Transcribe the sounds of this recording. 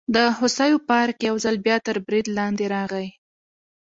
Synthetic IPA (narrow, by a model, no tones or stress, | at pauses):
d̪əhʊsajopɑɾkjawzəlbjɑt̪əɾbɾid̪lɑnd̪eɾɑɣaj